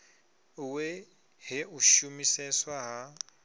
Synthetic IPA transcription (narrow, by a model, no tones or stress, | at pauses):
we | hɪʊʃumiseswaɦa